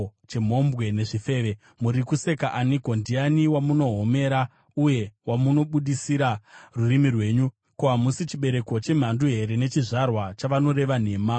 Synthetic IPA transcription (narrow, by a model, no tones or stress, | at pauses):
t͡ʃe̞m̤o̞mbɣe̞ne̞ʐife̞ːʋe̞ | muɾikuse̞kaʔaniko̞ndianiwamuno̞ɦo̞me̞ːɾa | uje̞wamuno̞ɓuɗisiɾarurimirwe̞ːɲu | koɦamusit͡ʃiɓe̞ɾe̞kot͡ʃe̞m̤anduɦe̞ɾe̞ne̞t͡ʃiʐarwat͡ʃaʋano̞ɾe̞ʋane̞ːma